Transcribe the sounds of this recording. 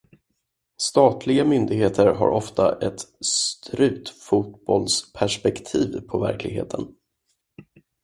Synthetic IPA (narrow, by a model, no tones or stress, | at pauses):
st̪ɑːt̪ʰlɪɡamʏnd̪ɪɡɦeːt̪ʰəɾɦa̰ɾɔft̪ʰa̰ʔɛt̪st̪ʰɾʉ̟ːt̪fut̪bɔlspʰæʂpɛkt̪ʰiːvpʰɔvæ̰ɾklɪɡɦḛːt̪ʰən